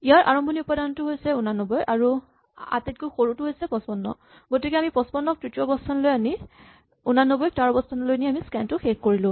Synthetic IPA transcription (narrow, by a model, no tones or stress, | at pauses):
ijaɹʔa̰ɹɔmbʱoniupadanɔtʊɦojsɛunanɔbɔjʔaɹu | a̰tit̚kojxoɹutʊɦojsɛpɔspɔnːɔ̰ | ɡotikɛamipɔspɔnːɔk̚tɹitiɔbɔstʰɔnlojani | unanobɔj̚taɹɔbɔstʰɔnlojniamiskɛntʊxekkoɹilʊ̃